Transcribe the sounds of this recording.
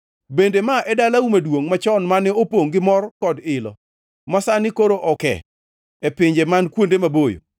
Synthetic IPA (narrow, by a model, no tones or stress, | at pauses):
bendemaʔɛdalaumadwoŋmat͡ʃɔnmanɛopoŋɡɪmɔrkɔdɪlɔ̰ | masanɪkoɾoʔɔkɛ̰ | ɛpɪɲd͡ʒemankwondemabojo̰